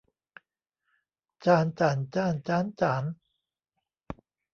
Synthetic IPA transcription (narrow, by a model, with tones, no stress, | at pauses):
t͡ɕaː˧nt͡ɕaː˩˦nt͡ɕaː˧nt͡ɕaː˦˥nt͡ɕaː˩˦n